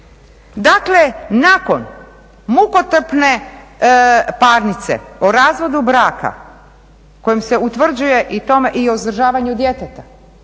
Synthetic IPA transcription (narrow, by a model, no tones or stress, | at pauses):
d̪akle̞nako̞n | mukot̪r̩pne̞ | paːɾnit̪se̞̰oɾaːzʋo̞d̪ubɾaːka̰ | ko̞jemse̞ut̪ʋr̩d͡ʑuje̞ʔit̪o̞meʔiozd̪r̩ʒaːʋaɲud̪jet̪et̪ḁ